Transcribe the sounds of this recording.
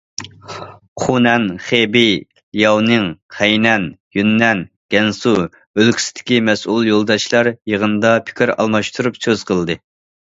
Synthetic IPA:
χʰunɛnχebi | ljɑwnɨŋqʰɛjnɛnjynːɛn | ɡ̥ʲɛnsu | ølkʲʰi̥sɪ̥d̪ɪ̥kʲimɛsulˠjolˠd̪ɑʃlˠɑɾjəʁənɨd̪ɑpʰɪ̥kʲʰiɾɑ̰lˠmɑʃt̪ʰuɾupsøz̥qʰəlˠd̪ɨ

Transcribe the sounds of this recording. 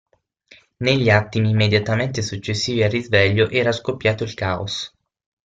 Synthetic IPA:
neʎːat̪ːimimːed̪jat̪ament̪esut͡ʃːesːiːviarːizvɛʎːoʔɛːɾaskopːjaːt̪oilkaːo̰s

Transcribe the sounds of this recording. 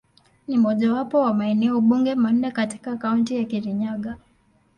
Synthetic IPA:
nim̩ɔʄawapɔwamaɛnɛɔuɓuŋɡɛman̩ːɛkati̥kakauntijakiɾiɲaɠa

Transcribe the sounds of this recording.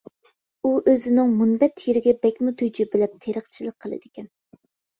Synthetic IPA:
uʔøzɪnɪŋmunbɛt̪jeɾɪɡʲɛbɛkʲmut̪ʰujd͡ʒibɪlɛp̚t̪ʰeɾəχt͡ʃʰilˠək̚ʲqʰəlˠɨ̰d̪̥ɪkʲɛn

